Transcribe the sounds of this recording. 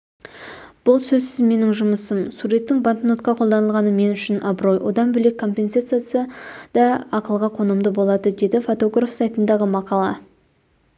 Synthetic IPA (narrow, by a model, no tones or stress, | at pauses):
b̥ʊlˠsɵzsɪzme̞nɪŋʒʊməsəmsuɾet̪ːɪŋbant̪not̪̚qɑqʰo̞lˠd̪ɑnəlˠʁɑnəme̞nʏʃɪnʔɑbɾo̞jwo̞̰d̪ɑnbɵle̞kʰːo̞mpʲe̞nsat̪sɨjasəd̪̥ɑɑqəlˠʁɑqʰo̞nəmd̪əbo̞lˠɑd̪əd̪e̞d̪ɪfo̞t̪o̞ɡrafsajt̪ənd̪ɑʁəmɑqɑlˠɑ